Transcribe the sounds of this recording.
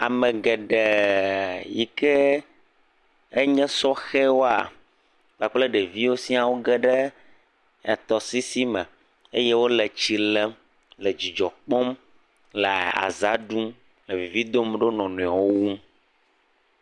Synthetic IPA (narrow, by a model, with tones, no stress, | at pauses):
a˨mɛ̃˨ɡɛ˨ɖɛ˨ | ji˦kɛ˦ | e˦ɲɛ̃˦sɔ˦xɛ˦wo˦a̰˨ | ɡ͡ba˨k͡ple˦ɖɛ˨vi˦wo˦si˦a˨wo˦ɡɛ˦ɖɛ˦ | ɛ˨t̪ɔ˨si˦si˦mɛ̃˨ | e˦je˦wo˦lɛ˨t͡ɕi˨lɛ˦m | lɛ˨d͡ʑi˨d͡ʒɔ˨k͡pɔ˦m | le˨a̰˨za˦ɖu˦m | le˨vi˨vi˦d̪o˦mɖo˦nɔ̃˨nũ˨a˨wo˦wu˦m